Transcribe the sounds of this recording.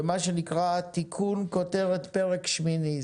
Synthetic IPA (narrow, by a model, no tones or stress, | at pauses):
maʃenikʁat̪ikʰunkoteʁet̪pe̞ʁekʃmini